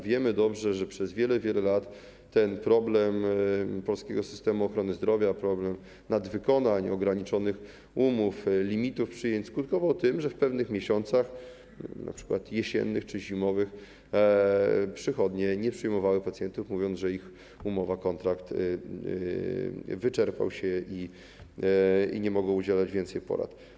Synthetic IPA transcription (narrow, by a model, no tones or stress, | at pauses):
vʲjɛmɘd̪ɔbʐɛʐɛpʂɛzvʲjɛlɛvʲjɛlɛlat̪ː | ɛnpɾɔblɛmpɔlskʲɛɡɔsɘ̥st̪ɛmuɔxɾɔnɘzd̪ɾɔvʲjapɾɔblɛm | nad̪vɘkɔnaɲɔɡɾaɲit͡ʂɔnɘx | umuflʲimʲit̪ufpʂɘjɛɲt͡ɕʲskut̪̚kɔvawt̪ɘmʐɛfpɛvnɘxmʲjeɕɔnt̪sax | nʔa̰pʂɘ̥kwat̪jɛɕɛ̰nːɘxt͡ʂɘʑimɔvɘx | pʂɘxɔd̪ɲɛɲɛpʂɘjmɔvawɘpat̪sjɛnt̪ufmuvʲjɔnʐɛix | umɔvakɔnt̪ɾakt̪ | vɘt͡ʂɛɾpa̰wɕɛi | ḭɲɛmɔɡɔ̃ud͡ʑɛlad͡ʑvʲjɛnsɛjpɔ̰ɾa̰t̪